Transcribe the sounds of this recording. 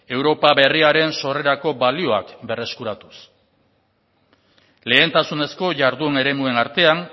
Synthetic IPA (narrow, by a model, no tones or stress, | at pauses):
e̞wɾo̞paβe̞riaɾe̞nso̞re̞ɾako̞balio̞a̰kbe̞re̞skuɾat̪u̥s | le̞ːnt̪asune̞sko̞ʝaɾðune̞ɾe̞mue̞naɾt̪e̞an